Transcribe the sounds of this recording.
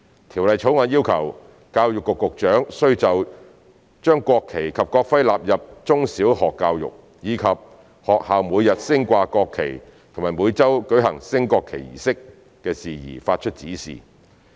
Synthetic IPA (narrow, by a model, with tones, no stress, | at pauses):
t̪ʰiː˨˩wlɐ˨jt͡ʃʰo˨˥wŋɔː˨˧˩jiː˥wkʰɐ˨˩w | kaː˧wjʊ˨kːʊ˨kːʊ˨k̚t͡ʃœː˨˥ŋsɵ˥ɥt͡sɐ˨w | t͡ʃœː˥ŋkʷɔː˧kʰe˨˩jkʰɐ˨p̚kɔː˧k̚fɐ˥jlaː˨p̚jɐ˨p̚t͡ʃʊ˥ŋsiː˨˥whɔː˨kːaː˧wjʊ̰˨k̚ | jiː˨˧kʰɐ˨p̚ | hɔː˨k̚haː˨wmuː˨˧jɐ˨t̚sɪ˥ŋkʷaː˧kɔː˧kʰːḛ˨˩j | t̪ʰʊ˨˩ŋmaː˨˩jmuː˨˧jt͡sɐ˥wkɵ˨˥ɥɦɐ̰˨˩ŋsɪ˥ŋkɔː˧kʰe˨˩jḭː˨˩sɪ˥k | kɛː˧siː˨jḭː˨˩faː˧t̚t͡ʃʰɵ˥t̚t͡siː˨˥sḭː˨